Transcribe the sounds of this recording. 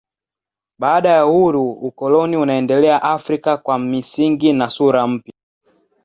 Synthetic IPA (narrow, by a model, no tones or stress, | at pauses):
ɓaːɗajahuɾuukɔlɔniunaɛndɛlɛaʔafɾikakwamisiŋɡinasuɾam̩pja